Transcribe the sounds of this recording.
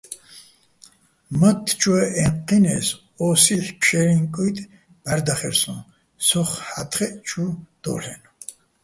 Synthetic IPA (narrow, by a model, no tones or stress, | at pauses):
mat̪ʰːt͡ʃʰʼwɛɛɴqːinɛs | ɔsiɬpʰʃɛɾiŋkʼut̪ʼ | b̥aɾd̪aχɛɾsũn | sɔχħat̪ʰχɛʔt͡ʃʰud̪̥ɔ̰ɬɛn